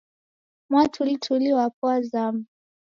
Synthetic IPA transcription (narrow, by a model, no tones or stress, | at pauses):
mwatʰulitʰuliwapwazam